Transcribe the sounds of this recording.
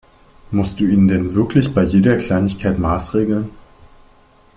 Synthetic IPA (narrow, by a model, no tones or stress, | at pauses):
mʊst̚d̥uːiːndɛnvɪɐklɪçb̥aɪjeːɾɐkl̥aɪnɪçkʰaɪtmaːsʁ̥eːɡl̩n